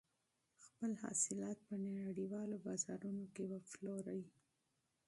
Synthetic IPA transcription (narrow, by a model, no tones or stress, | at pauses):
xpəlhɑ̰sɪlɑt̪̚pənaɽiwɑlobɑzɑɾunokebafloɾawi